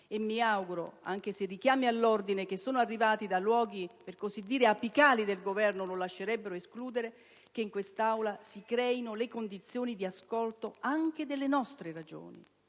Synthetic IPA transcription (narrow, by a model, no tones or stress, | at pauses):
emːiawɡuɾo̰a̰ŋk̟eserːikjaːmialːord̪inek̟esːoːnoarːivaːt̪id̪alwɔːɡiperkozid̪ːiːɾeapikaːlid̪elɡovɛrnololaʃːeɾɛbːeɾoeskluːd̪eɾe | k̟eiŋkwest̪awlasikɾɛːinolekond̪it̪sːjoːnid̪iaskolt̪oaŋk̟ed̪elːenɔst̪ɾeɾad͡ʒo̰ːnḭ